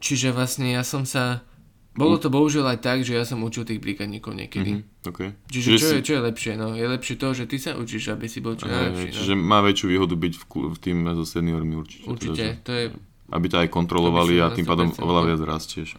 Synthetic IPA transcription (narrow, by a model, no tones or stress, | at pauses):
t͡ʃiʒɛʋlasɲɛjasɔmsa | bɔlɔt̪ɔbɔɦuʒɪɛlajt̪aɡʒɛjasɔmut͡ʃilt̪iːɣbɾikaɲiːkɔʊɲɪɛ̰kɛd̪i | ɔkɛjt͡ʃiʒɛʒt͡ʃɔjɛt͡ʃɔjɛlɛpʃɪɛnɔjɛlɛpʃɪɛt̪ɔʒɛt̪isaʔṵt͡ʃiʒabisibɔlˠɔnaɛlɛɦpʃɛʃnt͡ʃiʒɛmaːʋɛt͡ʃɪuʋiːɦɔd̪ubicfkft̪iːmzɔsɛniɔɾmiuɾt͡ʃi̥cɛṵɾt͡ʃicɛt̪ɔjɛ | ʔa̰bicaajkɔnt̪ɾɔlɔʋaliat̪impaːd̪ɔmɔ̰ʋɛlaʋɪad͡zɾascɪɛʃ